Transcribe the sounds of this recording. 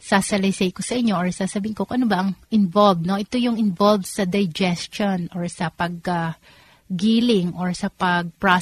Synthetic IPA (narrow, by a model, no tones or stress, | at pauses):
saːsɐlɐjsɐjkosɐʔɪɲːo̞ʔoɹsaːsɐbiːɪnkokʔɐnobɐʔɐŋʔɪnbolbno̞ʔɛt̪o̞jʊŋɪnvolbsɐd̪ɐjd͡ʒɛst͡ʃonʔoɹsɐpɐɡ̚aː | iːlɪŋʔoɹsɐpɐɡ̚pɹa